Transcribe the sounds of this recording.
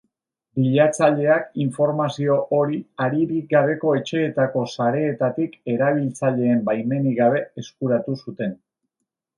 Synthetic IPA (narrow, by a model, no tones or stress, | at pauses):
biʎat͡saʎe̞akiɱfo̞ɾmasio̞ʔoɾiaɾiɾiɡaβ̞e̞ko̞e̞t͡ʃe̞ːt̪ako̞saɾe̞ːt̪at̪ike̞ɾaβ̞ilt͡saʎe̞ːmbajme̞niɣaβe̞eskuɾat̪usut̪e̞n